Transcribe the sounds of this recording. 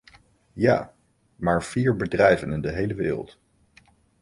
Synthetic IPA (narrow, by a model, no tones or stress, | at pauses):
ja̰ː | maːɹv̥iːɹbədrɛjvənɪndəɦejləʋɪ̰ːrə̰lˠt